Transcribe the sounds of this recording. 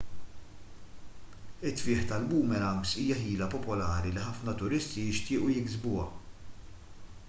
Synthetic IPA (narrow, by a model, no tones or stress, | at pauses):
ɪt̪ːfɪːħt̪ɐlbuːmɛɾɐmɡsiːjɐħiːlɐpɔpɔlɐːɾiliħɐfnɐt̪ʊɾɪst̪ijɪʃt̪ɪːʔujɪɡzbʊːɐ̰